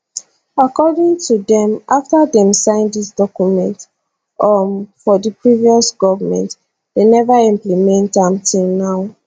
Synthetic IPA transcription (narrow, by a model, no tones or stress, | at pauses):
akɔdĩŋtʰudɛ̃maftadɛ̃msãɪ̃ndisdɔkjumɛ̃nt | ɔfɔdipɹiviɔsɡɔvmɛ̰̃nt | d̥enɛvaĩmplimɛ̃ntãmtʰilˠnaʊ